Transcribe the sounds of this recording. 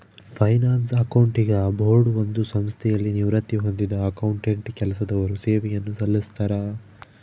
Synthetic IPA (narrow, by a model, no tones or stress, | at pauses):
pʰɐjnaːnsɐkɐwuɳʈiɡɐbʱoːɽuo̞nd̪usɐmst̪ʰɛjɐlːiniʋɾɐt̪jiɦo̞nd̪id̪ɐːkɐwuɳʈeɳʈkɛlɐsɐd̪ɐʋɐɾuseːʋɛjɐnːusɐlːist̪ɐɾɐ